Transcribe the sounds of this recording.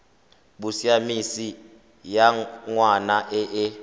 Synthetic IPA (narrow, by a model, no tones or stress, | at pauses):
ɓusiamisi | jaŋwanaʔɛʔɛ